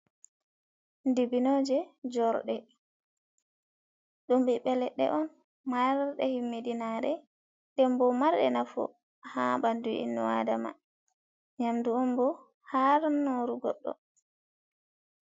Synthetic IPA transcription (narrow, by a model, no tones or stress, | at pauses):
ndibinoːd͡ʒɛd͡ʒɔɾɗɛ | ɗumbiɓɛlɛɗːɛ̰ʔɔn | maɾɗɛ̰himːedinaɾɛ | dɛmbɔmaɾɗɛ̰nafṵ | habanduḭnːɔwa̰dama̰ | ɲamduɔmbɔ | haɾnoɾuɡɔ̰ɗːɔ̰